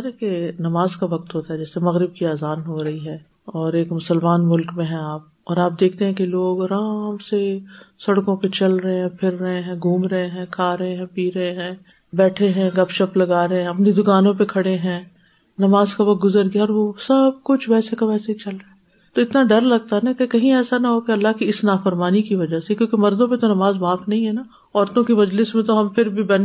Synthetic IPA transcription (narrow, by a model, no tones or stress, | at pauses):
ɾɛkenɐmaːzkaʋɐk̚t̪ɦoːt̪aɦɛd͡ʒɛːsemɐɣɾɪb̚kiaːzaːnɦoɾɐɦiɦɛː | ɔːɾeːkmʊsəlmaːnmʊlkmẽɦɛ̃aːp̚ɔːɾaːp̚d̪eːkʰt̪eɦɛ̃keloːɡɾaːmsesɐɽkõpet͡ʃɐlɾɐɦẽɦɛ̃pʰɪɾːɐɦeɦɛ̃ːɡʱũːmɾɐɦeɦɛ̃kʰaːɾɐɦẽɦɛ̃piːɾɐɦeɦɛ̃ː | bɛːʈʰeɦɛ̃ɡɐpʃɐplɐɡaːɾɐɦeɦɛ̃ɐpnid̪ʊkaːnõpekʰɐɽeɦɛ̃ː | nɐmaːzkaʋɐk̚ɡʊzəɾɡjaɔːɾʋosɐb̚kʊt͡ʃʰʋɛːsekaʋɛːseit͡ʃɐlɾɐɛ | t̪oɪt̪naɖɐɾlɐɡ̚t̪aɦɛnakekɐɦĩɛːsanaɦokeɐlːaɦkiɪsnaːfɐɾmaːnikiʋɐd͡ʒasekjõːkemɐɾd̪õpẽt̪onɐmaːzmaːfnɐɦĩɦɛna | ɔːɾt̪õkimɐd͡ʒlɪsmẽt̪oɦɐmpʰɪɾbʱibɐn